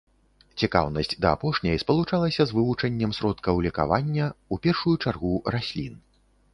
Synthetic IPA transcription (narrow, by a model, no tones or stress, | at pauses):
t͡sʲika̰wnɐsʲd͡zʲd̪ɐapɔʂnʲɐjspɐlˠut͡ʂalˠɐsʲɐzvɨvut͡ʂɐnʲːɐmsɾɔt̪kɐwlʲika̰vanʲːɐupʲɛrʂujut͡ʂarɣurasʲlʲin